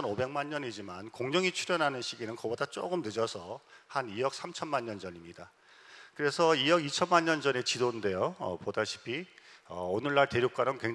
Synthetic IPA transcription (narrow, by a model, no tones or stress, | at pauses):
ʌnobe̞ŋmaɲɲʌɲid͡ʑimankoŋd͡ʑʌŋit͡ɕʰuɾjʌnɦanɯnɕʰiɡinɯnkʌbʌdat͡ɕ͈oɡɯmnɯd͡ʑʌsʰʌhanijʌk̚s͈amt͡ɕʰʌnmaɲːʌnd͡ʑʌɲimɲida | kɯɾe̞sʰʌijʌɡit͡ɕʰʌnmaɲːʌnd͡ʑʌne̞t͡ɕidonde̞joʌ̰podaɕʰi̥bʰiʌ̰onɯɭːaɭte̞ɾjok͈anɯnkweŋ